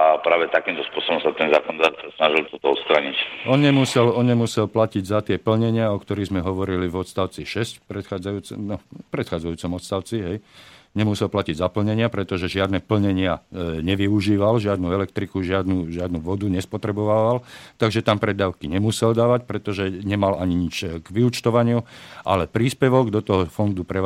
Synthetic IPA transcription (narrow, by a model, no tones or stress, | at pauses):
apɾaːʋɛt̪akimt̪ɔspʊɔsɔbɔmsat̪ɛnza̰ːkɔnɔd̪aːt̪sasnaʒilt̪ɔt̪ɔɔt̪st̪ɾaɲicʔɔnɲɛmusɛlɔnɲɛmusɛlplaciɟzat̪ɪɛpl̩ɲɛɲɪaɔkt̪ɔɾiɣzmɛɦɔʋɔɾilivɔt̪st̪aʊt͡siʃɛscpɾɛt̪xaːd͡zajuːt͡sɛnɔpɾɛt̪xaːd͡zajuːt͡sɔmɔt̪st̪aʊt͡siɦɛjɲɛmusɛlplaciɟzapl̩ɲɛɲɪapɾɛt̪ɔʒɛʒɪad̪nɛpl̩ɲɛɲɪaɲɛʋiuʒiːʋalʒɪad̪nuɛlɛkt̪ɾikuʒɪad̪nuʒɪad̪nuʋɔd̪uɲɛspɔt̪ɾɛbɔʋaʋalt̪aɡʒɛt̪ampɾɛd̪aːʊkiɲɛmusɛld̪aːʋac̚pɾɛt̪ɔʒɛɲɛmalʔaɲiɲit͡ʃɡʋiut͡ʃt̪ɔʋaɲɪuʔa̰lɛpɾiːspɛʋɔɡd̪ɔt̪ɔɦɔfɔnd̪upɾɛ